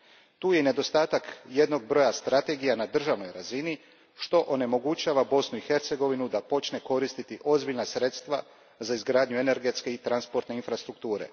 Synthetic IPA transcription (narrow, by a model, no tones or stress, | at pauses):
t̪uːje̞ne̞d̪o̞st̪aːt̪akje̞d̪no̞ɡ̚bɾo̞jast̪ɾat̪e̞ɡijanad̪r̩ʒaʋno̞jɾazini | ʃt̪o̞ʔone̞mo̞ɡut͡ʃaːʋabo̞snuixe̞ɾt̪se̞ɡo̞ʋinud̪apo̞t͡ʃne̞ko̞ɾist̪it̪iʔo̞zbiʎnasɾe̞t̪st̪ʋa | zaizɡɾaːd̪ɲue̞ne̞ɾɡe̞t̪skeit̪ɾanspo̞ɾt̪ne̞infɾast̪ɾuk̚t̪uːɾe̞̰